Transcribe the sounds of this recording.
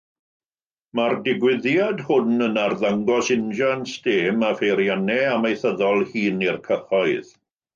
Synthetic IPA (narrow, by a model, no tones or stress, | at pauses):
mardɪɡwɪðjadhʊnənarðaŋɡɔsɪnd͡ʒansteːmafejɾjanɛamejθəðɔlˠhiːnirkʰəχɔɨð